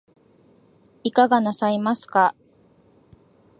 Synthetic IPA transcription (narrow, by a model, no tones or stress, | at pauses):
ikaɡanasaimasɨ̥ka